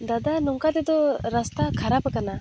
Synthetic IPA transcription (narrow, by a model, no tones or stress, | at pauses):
d̪ad̪anɔŋkad̪ɛd̪ɔɾast̪akʰaɾapɛkana